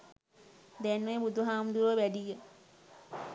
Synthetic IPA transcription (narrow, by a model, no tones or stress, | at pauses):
d̪ænməjbud̪uɦaːmd̪uɾəʋæɖijə